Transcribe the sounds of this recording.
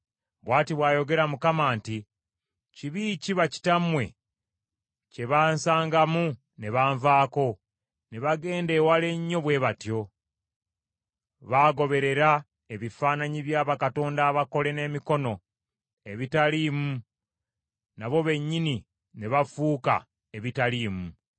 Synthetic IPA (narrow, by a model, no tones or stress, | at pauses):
βwaːtiβwaːjo̞ɡe̞ɾamukamaːnti | ciβiciβaci̥tamwe̞̰ | ce̞βaːnsaːŋɡamu | ne̞βaːɱvaːko̞ | ne̞βaɡe̞ːnde̞ːwale̞ɲːo̞βwe̞ːβatjo̞ | βaːɡo̞βe̞ɾe̞ɾa | e̞βifaːnaɲiβjaːβakato̞ːndaːβako̞le̞ne̞ːmiko̞no̞ | e̞βitalimu | naβo̞βe̞ɲːini | ne̞βafuːka̰ | e̞βitaliːmu